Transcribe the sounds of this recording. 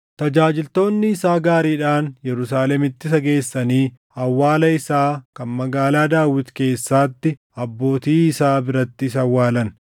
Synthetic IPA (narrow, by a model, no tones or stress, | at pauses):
t̪ɐd͡ʒaːd͡ʒɪlt̪o̞ːnːɪɪsaːɡaːɾiːᶑaːnjɛɾʊsaːlɛmɪt̪ːɪsɐɡe̞ːsːɐniː | ɐwːaːlɐɪsaːkɐnmɐɡaːlaːd̪aːwːɪt̪ke̞ːsːaːt̪ːɪ | ɐbːo̞ːt̪iːɪsaːbɪɾɐt̪ːɪsɐwːaːlɐn